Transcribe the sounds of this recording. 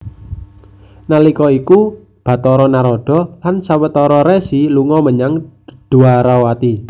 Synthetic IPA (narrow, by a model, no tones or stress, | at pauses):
nalikɔiku | b̥ä̤t̪ɔɾɔnaɾɔɖ̥ɔ̤lansawət̪ɔɾɔɾesiluŋɔməɲaŋd̪̥ṳaɾawat̪i